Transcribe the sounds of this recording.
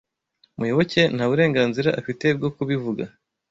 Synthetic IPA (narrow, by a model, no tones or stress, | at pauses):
mujo̞βo̞ce̞n̥haβuɾe̞ːŋɡaːnziɾaʔafite̞b̚ɡo̞kuβivuɡa